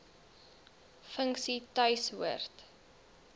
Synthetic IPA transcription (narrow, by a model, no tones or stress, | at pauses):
fəŋksitœɥsuərt